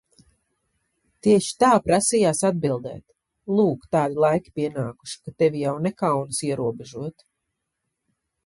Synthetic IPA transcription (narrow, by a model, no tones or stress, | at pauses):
t̪iɛʃi̥t̪aːpɾasijaːsad̪̚bilˠd̪ɛ̰ːt̪ | lˠuːkt̪aːd̪ilˠajkʲi̥piɛnaːku̥ʃi̥kat̪ɛvijawnɛkawnsiɛɾuɔbɛʒuɔt̪